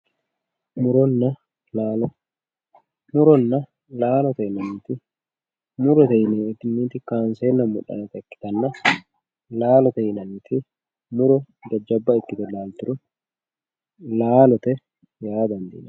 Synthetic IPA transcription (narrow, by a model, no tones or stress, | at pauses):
mʊɾɔnːɐ | aː | mʊɾɔnːɐ | laːlɔt̪ɛɪnɐniːt̪ɪ | mʊɾɔt̪ɐjɪneːɪt̪ɪnːiːt̪ɪkaːnseːnːɐmːʊ̰ᶑɐ̰nɐt̪ɛɪkːɪ̥t̪ɐnːɐ | laːlɔt̪ɐjɪnɐniːt̪ʰɪ | mʊɾɔ | ɡɐd͡ʒːɐbːɐɪkːɪt̪ɛlaːlt̪ʊɾʊ | laːlɔt̪ɛ | jaːd̪ɐnd̪ḭnɐ